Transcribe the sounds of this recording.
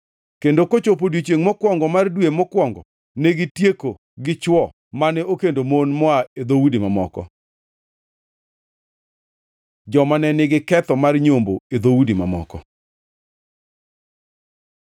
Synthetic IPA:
kendokot͡ʃopodwit͡ʃeŋmɔkwɔŋɡɔmardwemɔkwɔŋɡɔ | neɡɪtjeko | ɡɪt͡ʃwɔ | manɛokendomonmɔaed̪owudimamɔ̰kɔ̰ | d͡ʒɔmanɛnɪɡɪkɛt̪ɔmarɲomboed̪owudima̰mɔ̰kɔ̰

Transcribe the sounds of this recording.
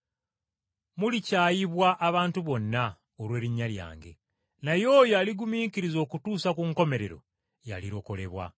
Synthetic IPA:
mulicaːjiβwaʔːβaːntuβo̞nːa | oɾwe̞ːɾiɲːalja̰ːŋɡe̞̰ | najo̞ːjaliɡumiːkiɾizo̞ːkutuːsakuŋko̞me̞ɾe̞ɾo̞̰ | ja̰liɾo̞ko̞le̞βwa̰

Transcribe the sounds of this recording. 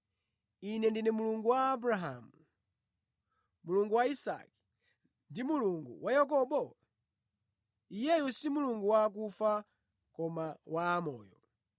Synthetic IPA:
inɛndinɛmuluŋɡuwaːbɾaɦa̰mu | muluŋɡuwaisa̰ki̥ | ndimuluŋɡṵwajak̬ɔɓɔ | ijɛjusimuluŋɡuwak̬ufa | kɔmawaːmɔːjɔ

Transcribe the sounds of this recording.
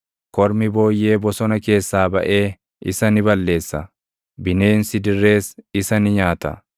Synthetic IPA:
kɔɾmɪbo̞ːjːe̞ːbɔsɔnɐke̞ːsːaːbɐ̰ʔe̞ː | ɪsɐnɪbɐlːe̞ːsːɐ | bɪne̞ːnsɪd̪ɪrːe̞ːsɪsɐnɪɲaːt̪ɐ̰

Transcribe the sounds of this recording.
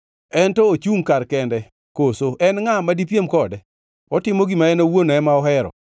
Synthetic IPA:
ɛntɔot͡ʃuŋkaɾkɛndɛ | kosoʔɛnŋamadip̬jemkɔdɛ | ɔtɪmoɡimaɛnowonɔɛmaɔɦɛɾɔ̰

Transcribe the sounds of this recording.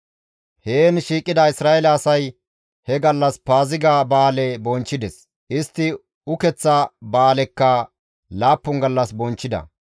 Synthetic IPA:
heːnʃiːkʼːɪd̪ɐɪsɾaːɛlɐːsɐj | hɛɡɐlːɐspaːzɪɡaːbaːlɛbɔnt͡ʃːɪd̪ɛs | ʔɪst̪ːɪ | ʊkɛt͡sːɐbaːlɛkːɐ | laːpːʊŋɡɐlːɐsbɔnt͡ʃːɪd̪ɐ̰

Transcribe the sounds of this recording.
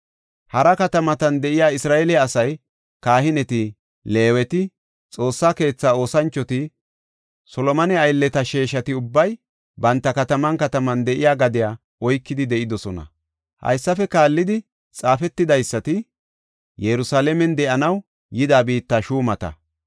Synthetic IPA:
hɐɾɐkɐt̪ɐmɐt̪ɐnd̪ɛʔɪjaːɪsɾaːelɪaːsɐj | kaːhɪnɛt̪ɪ | le̞ːwɛt̪ɪ | t͡sʼo̞ːsːaːke̞ːt͡sːaːo̞ːsɐnt͡ʃːɔt̪ɪ | sɔlɔmɐnɛɐjlːɛt̪ɐʃeːʃɐt̪ɪʊbːɐj | bɐnt̪ːɐkɐt̪ɐmɐnkɐt̪ɐmɐnd̪ɛʔɪjaːɡɐd̪ɪjaː | ɔjkːɪd̪ɪd̪ɛʔɪd̪ɔsɔnɐ̰ | hɐ̰jsːɐfɛkaːlːɪd̪ɪ | t͡sʼaːfɛt̪ːɪd̪ɐjsːɐt̪ɪ | jɛɾʊsaːlɛmɛnd̪ɛʔɐnɐw | jɪd̪aːbiːt̪ːaʃuːmɐt̪ɐ̰

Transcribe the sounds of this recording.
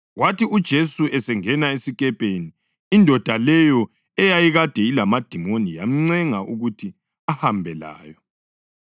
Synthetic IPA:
ɣwatiud̥ʒ̥ʱesuɛsɛŋɛnaesikɛpʼeniː | ndʱɔd̥ʱalɛjɔ | ɛjajiɣad̥ʱɛilamad̥ʱimonija̰m̩ŋ͡ǀɛŋaʔuɣutʰi | ahambʱɛla̰ːjɔ

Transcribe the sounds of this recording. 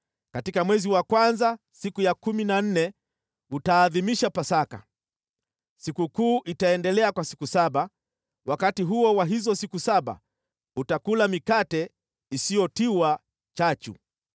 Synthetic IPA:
katikamwɛziwakwanza | sikujakuminan̩nɛ | utaːðimiʃapasaka̰ | sikukuːʔitaɛndɛlɛakwasi̥kusaɓa | wakatiɦuɔwaɦizɔsikusaɓa̰ | utakulamikatɛ | isijɔtiwa | t͡ʃat͡ʃṵ

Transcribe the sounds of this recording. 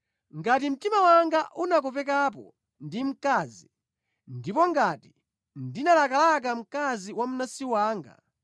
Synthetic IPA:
ŋɡat̬im̩timawaŋɡaʔunak̬upɛkap̬ɔ̰ | ndim̩kaːzi | ndipɔŋɡati̥ | ndinalakalak̬am̩kaziwam̩nasiwaːŋɡa̰

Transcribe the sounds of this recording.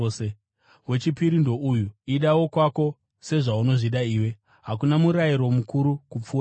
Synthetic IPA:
e | we̞t͡ʃipiɾindo̞ʔujuiɗawo̞kwako̞ | se̞ʐauno̞ʐiɗaiːwe̞ | ɦakunamuɾajiɾo̞mukuɾukup͡fua

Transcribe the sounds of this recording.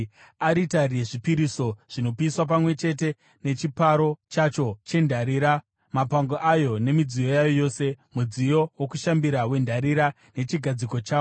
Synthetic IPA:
aɾitarijeʐipiɾiso̞ʐ̥ino̞piswap̬amwe̞t͡ʃe̞t̬e̞ | ne̞t͡ʃipaɾo̞t͡ʃat͡ʃo̞t͡ʃe̞ndʱaɾiːɾa | mapaŋɡoʔajo̞ne̞mid͡zijo̞jajo̞jo̞ːse̞mud͡zijo̞wokuʃambiɾawe̞ndʱaɾiɾa | ne̞t͡ʃiɡʱad͡ziko̞t͡ʃaːo

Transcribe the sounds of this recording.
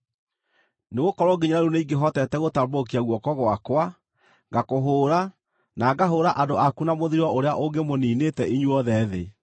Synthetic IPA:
neɣokɔɾɔɡiɲaɾaɾuneiɡeɦɔtɛtɛɣotambokiaɣwɔkɔɣwakwa | ɡakoɦoːɾa | naɡaɦoːɾaʔadoʔakunamoðiɾwɔoɾeaʔoŋɡemoniːnetɛʔiɲuɔðɛðe

